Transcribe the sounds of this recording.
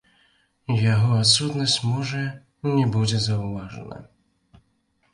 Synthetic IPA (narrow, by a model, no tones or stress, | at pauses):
jaɣɔat̪sut̪nɔst͡smɔʐɛ | nʲɛbud͡ʑʲɛzauvaʐɔ̰na̰